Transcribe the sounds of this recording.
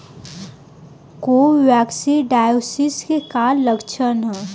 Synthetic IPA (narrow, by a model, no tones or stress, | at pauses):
koːʋɛːksiɖaːjoːsɪskekaːlːəkt͡ʃʰənɦɛ